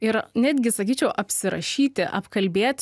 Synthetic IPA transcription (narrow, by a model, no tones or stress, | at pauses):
ɪɾnʲæːd̪ʲɡʲɪsɐkʲiːt͡ʃʲɛʊʔɐpʲsʲɪɾɐ̰ʃʲiːt̪ʲɪʔɐ̰pkɐlʲbʲeːt̪ʲ